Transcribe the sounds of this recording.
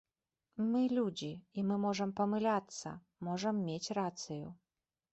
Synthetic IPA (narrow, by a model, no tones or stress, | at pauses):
mɨlʲud͡zʲiimɨmɔʐɐmpɐmɨlʲat̪sɐ̰ | mɔʐɐmːʲet͡sʲrat̪sɨju